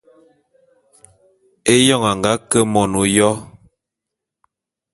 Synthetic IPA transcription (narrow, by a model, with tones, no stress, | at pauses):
e˦jɔ˦˨ŋa˨ŋ˨ɡa˦kə˦mɔ˨no˨jɔ˦